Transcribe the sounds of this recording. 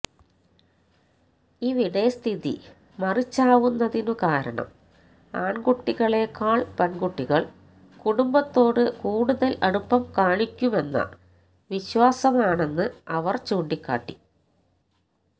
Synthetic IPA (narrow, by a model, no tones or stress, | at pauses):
iːʋiɽɐjɐst̪ʰiðḭ | mɐrit͡ɕːaːʋunːɐðinɨkaːɾɐɳɐ̰m | aːɳɡuʈːiɣɐɭeːkːaːɭpɐnɡuʈːiɣɐɭ | kuɽumbɐt̪ːo̞ːɽɨkuːɽuðɐlɐɽupːɐmkaːɳikʲːume̞nːɐ̰ | ʋiɕwaːsɐmaːɳe̞nːɨɐʋɐrt͡ɕuːɳɖikʲːa̰ːʈːi